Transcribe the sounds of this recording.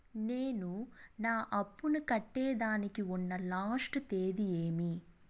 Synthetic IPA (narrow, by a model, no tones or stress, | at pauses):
neːnunaːʔɐpːunukɐʈːɛːd̪aːnikiunːɐlaːsʈt̪eːd̪ieːmi